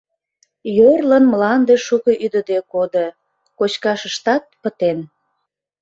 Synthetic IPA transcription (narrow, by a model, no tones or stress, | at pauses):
jørlənmlɑnd̪eʃukəʔyd̪əd̪ekod̪ə | kot͡ɕkɑʃəʃt̪ɑt̪̚pət̪en